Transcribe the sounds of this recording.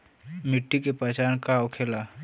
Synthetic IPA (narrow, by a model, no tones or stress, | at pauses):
mɪʈːikepət͡ʃaːnkaokʰeːla